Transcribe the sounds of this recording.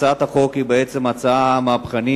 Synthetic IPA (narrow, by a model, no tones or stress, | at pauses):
at̪aχo̞khibeet͡se̞mat͡saamapχani